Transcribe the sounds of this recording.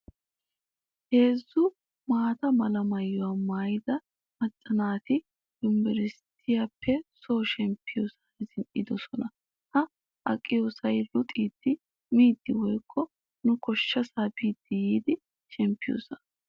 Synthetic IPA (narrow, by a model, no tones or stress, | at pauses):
he̞ːzːʊ | maːt̪ɐmɐlɐmɐjːɔwamaːjɪd̪ɐ | mɐt͡sʼːɐnaːt̪ɪ | ʊmbɛɾɪst̪ʰɪjapːɛsoːʃɛmpːɪjosaɪzɪnʔɪd̪ɔsɔnɐ | hɐ | ʔɐ̰kʼːɪjoːsɐjlʊt̪ʼiːd̪ːɪ | miːd̪ːɪwɔjkʰːɔ | nʊkɔʃːɐsaːbiːd̪ːɪjiːd̪ɪ | ʃɛmpːɪjo̰ːsɐn